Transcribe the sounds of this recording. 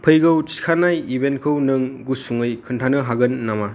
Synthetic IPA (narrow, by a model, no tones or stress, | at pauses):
pʰɯjɡɐwt͡ʃi̥kʰanajibentkʰɯwnɯŋɡusuŋɯjkʰɯntʰanɯɦaɡɯnːama